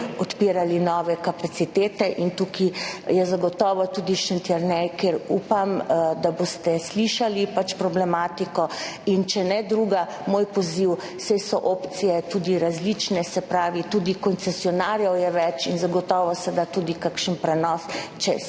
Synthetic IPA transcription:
ɔt̪piːɾalinɔʋɛkapat̪sit̪eːt̪ɛʔint̪ukijɛzaɡɔt̪ɔːʋɔt̪ud̪iʃɛnt̪jɛɾnɛjkeɾṵːpamd̪aboːst̪ɛsliʃalipat͡ʃpɾɔblɛmaːt̪ikɔ | int͡ʃɛnɛd̪ɾuːɡa | moːjpɔziw | sɛjsɔʔopt̪sijɛt̪uːd̪iɾazlit͡ʃnɛsɛpɾaːʋit̪uːd̪ikɔnt̪sɛsiɔnaːɾjɔwjɛʋɛt͡ʃinzaɡɔt̪ɔːʋɔsɛd̪at̪uːd̪ikakʃənpɾɛnɔst͡ʃɛ

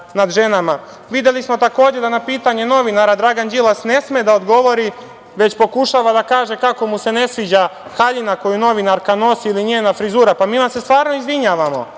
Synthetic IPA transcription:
nad̪ʒe̞nama | ʋid̪je̞lismo̞t̪ako̞ːd͡ʑed̪anapiːt̪aɲe̞no̞ʋinaɾad̪ɾaɡand͡ʒilˠasne̞smed̪aod̪ɡo̞ʋo̞ɾi | ʋe̞t͡ɕpo̞kuʃaʋad̪akaːʒe̞kako̞muse̞ne̞sʋiːd͡ʑaxaʎinako̞juno̞ʋinaɾkano̞siiliɲe̞ːnafɾizuːɾapamiːmasːe̞st̪ʋaːɾno̞izʋiɲaːʋamo̞̰

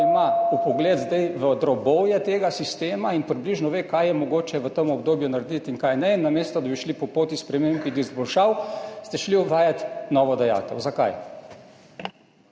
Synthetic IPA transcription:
maupɔɡleːd̪zd̪ɛjʋəd̪ɾɔbɔwjɛt̪eːɡasist̪eːmainpɾibliʒnɔʋeːkajjɛmɔɡoːt͡ʃɛʋət̪əmɔb̚d̪oːbjunaɾɛd̪it̪iŋkajnɛnːamest̪ɔd̪abiʃlipɔpoːt̪ispɾɛmembid̪izbɔlʃawst̪ɛʃliɔbʋaːjat̪nɔʋɔd̪ɛja̰ːt̪ɛwzakaj

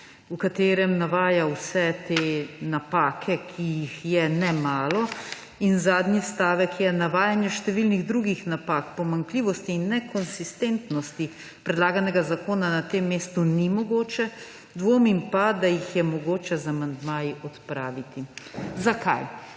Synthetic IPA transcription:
ukat̪eːɾɛmnaʋaːjawsɛt̪eːnapaːkʰɛkʰijixjɛnɛmaːlɔ | inzaːd̪nist̪aːʋɛkjɛnaʋaːjanjɛʃt̪ɛʋilniɣd̪ɾuɡixnapakpɔmaŋkliːʋɔst̪iːnːɛkɔnsist̪ent̪nɔst̪i | pɾɛd̪laːɡanɛɡazakoːnanat̪emːeːst̪unimɔɡoːt͡ʃɛ | d̪ʋoːmimpad̪ajixjɛmɔɡoːt͡ʃɛzamand̪maːjiʔɔt̪pɾaːʋit̪izakʰa̰j

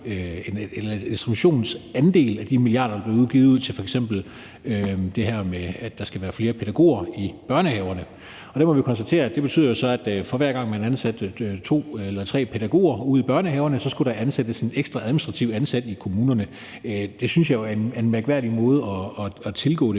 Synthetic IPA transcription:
enelɐensd̥ʁibuɕo̝̰ːn̩sænd̥e̝̰ːlæd̥imilijɑ̰̈ːɾɐd̥ɑb̥le̝uðˠɡ̥iːð̩ˠuð̰ˠt͡sʰe̝lfɒeɡ̥sem̰b̥l̩ | ød̥e̝ɦæɐmeæd̥ɑsɡ̥æʋæːɐfle̝ːɐpʰe̝ɾ̥æɡ̥o̝̰ːɐib̥ɶɐnəhɛːʊɐnə | ɒɾ̥emɒ̽ʋikʰɒ̽nsd̥æt͡sʰe̝̰ːɐæ̥ebe̝t͡sʰy̰ðˠjo̝sɒ̽æd̥fɒ̽ʋæɐ̰ɡ̥ɑ̈ŋ̰mænænsæd̥t͡sʰo̝̰ːelɐt͡sʰʁɛ̰ːpʰe̝ɾæɡ̥o̝̰ːɐuð̰ˠib̥ɶɐnəɦhɛːʊɐnəsɒ̽sɡ̥uɾ̥ɑ̈ʔænsed̥əsɒneɡ̥sd̥ʁɑ̈æðˠminisd̥ʁɑ̈t͡sʰiʊænsæd̥ikʰo̝muːnɐnə | d̥e̝synsjɑ̈ɪjoæɐenæɐenmæɐɡ̥ʋæɐd̥imɔ̽ːð̞ˠɒ̽ːɒt͡sʰe̝lɡ̥ɔ̰̽ːɾe

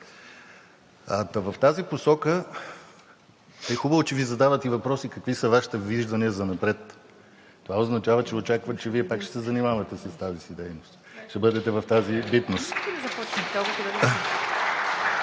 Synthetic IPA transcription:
ɐt̪ɐvɐft̪aziposɔkə | ɛxubəvot͡ʃɛvizɐd̪avət̪ɛivɐpɾɔsikɐkvisɐvaʃi̥t̪ɛviʒd̪ɐniəzɐnɐpɾɛt̪ː | ovaoznɐt͡ʃavət͡ʃɛot͡ʃakvət͡ʃɛviɛpakʃɛsɛzɐnimavɐt̪ɛsəst̪azisid̪ɛjnost̪ʃt̪ɛbɤd̪ɛt̪ɛvɐft̪azibit̪nost̪zɐpɔt͡ʃnəd̪ɔɡot̪oɐ

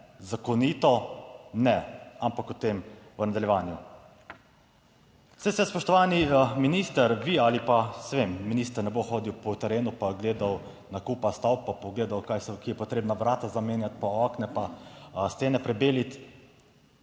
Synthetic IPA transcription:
zakɔniːt̪ɔnɛampakut̪eːmʋənad̪aljɛʋaːnju | sɛjsɛspɔʃt̪ɔʋaːniminiːst̪əɾʋialipasʋemːinist̪əɾnɛboxoːd̪iwpɔt̪ɛɾeːnupaɡleːd̪aw | nakuːpast̪awpːapɔɡleːd̪awkajsɛkijɛpɔt̪ɾeːbnaʋɾaːt̪azameːnjat̪̚paɔknɛpast̪eːnɛpɾɛbeːlit̪

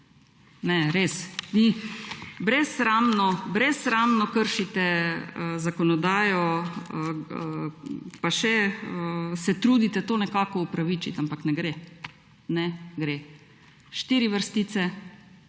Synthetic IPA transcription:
nɛɾesni | bɾɛsɾaːmnɔbɾɛsɾaːmnɔkəɾʃit̪ɛ | zakɔnɔd̪aːjɔ | paʃɛəsɛt̪ɾuːd̪it̪ɛt̪oːnɛkaːkɔupɾaʋit͡ʃit̪ampaknɛɡɾe | nɛɡɾe | ʃt̪iːɾiʋəɾst̪iːt͡ssɛ

